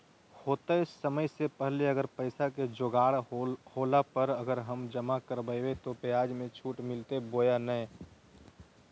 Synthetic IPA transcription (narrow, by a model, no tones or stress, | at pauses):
hoːt̪aɪsːəməjsepəɦleəɡəɾpəɪsaked͡ʒoːɡaːɽhoːlapəɾɐɡəɾɦɐmd͡ʒəmakəɾbəjwet̪opejaːd͡ʒmẽt͡ʃʰuːʈmɪlt̪eboːjanəɛ